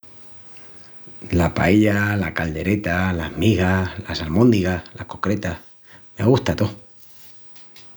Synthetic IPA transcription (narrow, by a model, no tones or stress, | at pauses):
lapa̰eʎalakald̪e̞ɾe̞t̪alahmiɣalasalmõnd̪iɣalahko̞kɾe̞t̪ah | maɣuht̪at̪o